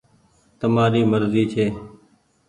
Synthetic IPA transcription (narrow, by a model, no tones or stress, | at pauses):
t̪əmaːɾiːməɾziːt͡ʃʰeː